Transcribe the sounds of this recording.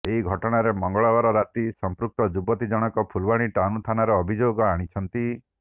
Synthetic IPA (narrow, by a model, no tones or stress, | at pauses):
eɦiɡʱɔʈɔɽ̃aɾemɔŋɡɔɭɔbaɾɔɾat̪isɔmpɾuk̚t̪ɔd͡ʒubɔt̪id͡ʒɔɽ̃ɔkɔpʰulbaɽ̃iʈanut̪ʰanaɾɔːbʱid͡ʒoɡɔaɽ̃it͡ʃʰɔnt̪i